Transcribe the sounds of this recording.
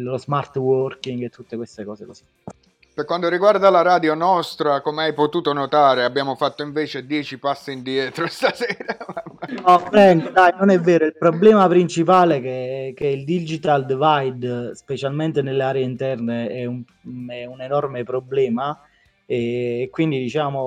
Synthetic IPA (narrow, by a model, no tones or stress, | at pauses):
lozmart̪wɔrkiŋɡet̪ːut̪ːekwest̪ekɔːsekosi̥ | pekwant̪oɾiɡward̪alaɾaːd̪jonɔst̪ɾakomeajpot̪uːt̪onot̪aːɾeabːjaːmofat̪ːoiɱveːt͡ʃed̪jɛːt͡ʃipasːiind̪jɛːt̪ɾost̪asɛːɾa | ɔpːɾɛnd̪od̪ajnonɛvːeːɾoilpɾoblɛːmapɾint͡ʃipaːlekek̟eild̪id͡ʒit̪ald̪vajd̪spet͡ʃalment̪enelːeaːɾeeint̪ɛrneɛum | ɛunenɔrmepɾoblɛːma | eːkːwind̪id̪it͡ʃaːmo